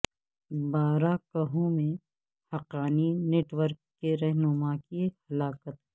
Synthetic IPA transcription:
baːɾakɐɦõmẽ | hɐqaːnineːʈwəɾkːeɾɐɦnʊmakihɐlaːkət̪

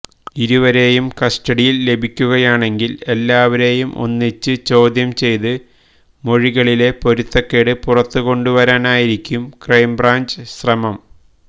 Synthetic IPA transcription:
iɾuʋɐɾe̞ːjumkɐsʈɐɽijilːe̞bʱikʲːuɣɐjaːɳe̞ŋɡile̞lːaːʋɐɾe̞ːjumʔo̰nːit͡ɕːɨt͡ɕo̞ːd̪ʱjɐmt͡ɕe̞jt̪ɨ | mo̞ɻiɣɐɭile̞po̞ɾut̪ːokːeɽɨpurɐt̪ːuko̞ɳɖuʋɐɾaːnaːjiɾikʲːumkrɐjmbraːɲd͡ʑɨɕrɐmɐm

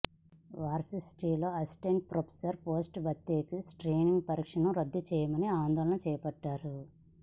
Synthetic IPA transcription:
ʋaːɾsisʈiːlo̞ːɐsʈeɳʈ̚pɾopʰe̥sɐɾpo̞ːsʈbʱɐt̪ːeːkisʈɾeːniŋɡ̚pɐɾiːkʂɐnɐmɾɐd̪ːut͡ʃɛːjɐmɐniaːnd̪ɔːlɐnɐt͡ʃɛːjɐpɐʈːaːɾu

